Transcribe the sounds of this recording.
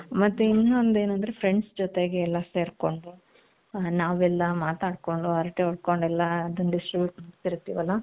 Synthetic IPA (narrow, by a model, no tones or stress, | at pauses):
mɐt̪ːuinːaond̪eːnɐnd̪ɐɾefʰɾeɳɖsd͡ʒɔt̪eɡeːlːɐse̞ːɾko̞ɳɖu | naːʋɛlːɐmaːt̪aːɽko̞ɳɖuɐɾʈeoɽkoɳɖɛlːɐːd̪onɖisʈɾibjuːʈmɐɽsiɾt̪ːḭːʋɐlːɐ